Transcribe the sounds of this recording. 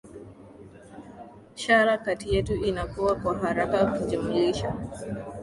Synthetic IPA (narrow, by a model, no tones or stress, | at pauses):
ʃaɾakatijatuʔinakowakɔɦaɾabakid͡ʒɛmeʃa